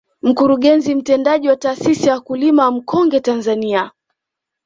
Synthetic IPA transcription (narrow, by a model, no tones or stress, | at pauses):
m̩kuɾuɠɛnzim̩tɛndaʄiwataːsisijaakulimawam̩kɔŋɡɛtanzania